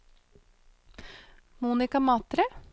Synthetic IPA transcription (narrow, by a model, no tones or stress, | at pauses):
muːnɪkɑmɑːt̪ɾə